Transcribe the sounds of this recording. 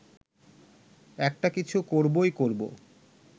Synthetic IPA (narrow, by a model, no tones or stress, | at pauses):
ɛk̚ʈakit͡ɕʰukoɾbojkoɾbo̰